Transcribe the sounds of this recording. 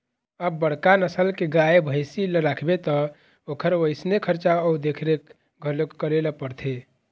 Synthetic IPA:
əbːəɽkanəsəlkeɡaebʱəjsiləɾakʰbet̪ɔ | okʰəɾʋəjsnekʰəɾt͡ʃaɔud̪ekʰɾek | ɡʱələkkːəɾeləpəɾt̪ʰe

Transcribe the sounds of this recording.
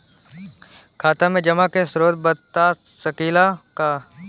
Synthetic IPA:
kʰaːt̪amẽd͡ʒɐmakesɾoːd̪̚bɐt̪a | sɐkiːlaka

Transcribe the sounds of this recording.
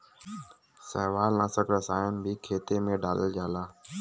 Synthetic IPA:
səːʋaːlnaːsəkɽaːsaːənbʱiːkʰeːt̪eːmẽːɖaːləld͡ʒaːlaː

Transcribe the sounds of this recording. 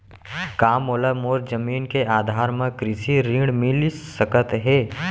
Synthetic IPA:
kaːmoːləmoːɾd͡ʒəmiːnkeʔaːd̪ʱaːɾmẽkɾɪsiɾĩːɽmɪlisəkət̪ɦɛː

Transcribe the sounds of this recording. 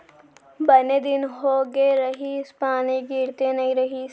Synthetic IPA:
bɐned̪ɪnɦoːɡeɾɐɦispaːniɡiɾt̪enɐɦĩɾɐɦi

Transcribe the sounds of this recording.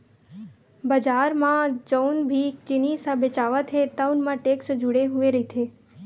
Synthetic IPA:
bəd͡ʒaɾmãd͡ʒəwnbʱikt͡ʃinisabet͡ʃaʋat̪ʰet̪əwnmãʈeksd͡ʒuɽeɦuʋeɾit̪ʰe

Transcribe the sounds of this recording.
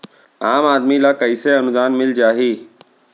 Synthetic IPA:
aːmaːd̪milakɐiseɐnʊzaːnmɪld͡ʒaːɦiː

